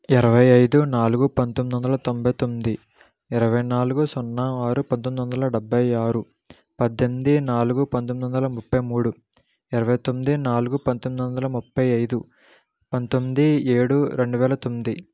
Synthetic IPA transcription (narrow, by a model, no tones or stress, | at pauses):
iɾɐʋɐjɐjd̪unaːluɡupɐnt̪omid̪ʋɐnd̪ɐlɐt̪ombʱɐjt̪o̞mːid̪i | iɾɐʋɐjnaːluɡusɔnːaaːɾupɐnt̪omd̪ʋɐnd̪ɐlɐɖɛbːɐjaːɾu | pɐd̪ːemid̪inaːluɡupɐnt̪omid̪ʋɐnd̪ɐlɐmupːɐjmuːɽu | iɾɐʋɐjt̪omːid̪inaːluɡupɐnt̪omid̪ʋɐnd̪ɐlɐmupːɐjɐjd̪u | pɐnt̪omːid̪ieːɽuɾe̞ɳɖuʋɛːlɐt̪o̞mːid̪i